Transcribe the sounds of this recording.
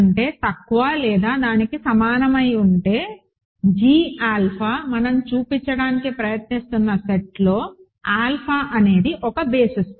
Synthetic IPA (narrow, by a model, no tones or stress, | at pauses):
ɳʈe̞ːt̪ɐkːuʋaːlɛːd̪aːd̪aːnikisɐmaːnɐmɐjuɳʈe̞ː | d͡ʒiːaːlpʰaːmɐnɐmt͡ʃuːpiɲt͡ʃːɐɽaːnikipɾɐjɐt̪nist̪unːɐseʈlo̞ː | aːlpʰaːʔɐne̞ːd̪iʔɔkɐbe̞ːsis